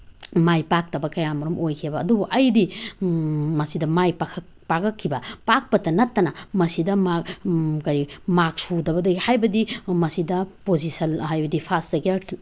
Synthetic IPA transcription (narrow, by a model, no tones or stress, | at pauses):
majpak̚tɐbɐkɐjamɐɾumʔojkʰebɐːdubuʔɐjdi | mɐsidɐmajpakʰɐ | pakɐkʰːibɐpak̚pɐtːɐnɐtːɐnɐmɐsidɐmakɐɾimak̚sudɐbɐdɐɡihajbɐdimɐsidɐpozisɐnhajbɐdipʰasdɐɡe